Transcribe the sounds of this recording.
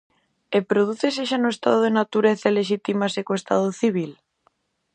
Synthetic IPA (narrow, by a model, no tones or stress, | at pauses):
epɾoð̞uθeseʃanoest̪a̰ð̞oðenat̪uɾeθaeleʃ̬it̪imasekoest̪a̰ðoθiβ̞il